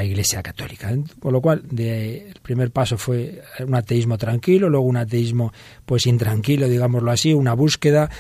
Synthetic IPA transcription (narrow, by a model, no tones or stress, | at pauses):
iɣle̞sjakat̪o̞̰likakonlo̞kwald̪eːlpɾime̞ɾpaso̞fwe̞unat̪eizmot̪ɾaŋkilolwe̞ɣ̞ounat̪̬eizmo | pwe̞sint̪ɾaŋkiloðiɣamozloasiunaβuske̞ð̞a